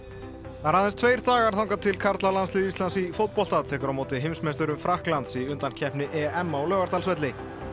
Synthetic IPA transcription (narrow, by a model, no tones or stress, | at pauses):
aɾhaðɛnst̪ʰveːjɾ̥t̪aːɣaɾ̥θawŋkat̪ʰɪlkʰaɾt̪lalansliːðist̪lansifowt̪̚pɔlt̪at̪ʰɛːkʏɾawmoːwt̪ɪɦɪmsmejst̪ʏɾʏmfɾahklant̪siʏnt̪an̥cʰɛhpnɪʔɛɛmːawlœːɣaɾt̪ʰalsvɛt̪lɪ